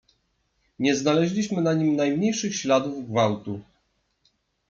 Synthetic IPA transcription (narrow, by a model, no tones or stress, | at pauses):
ɲɛznalɛʑlʲiɕmɘnaɲimnajmɲejʂɘxɕlad̪uvɡvawt̪u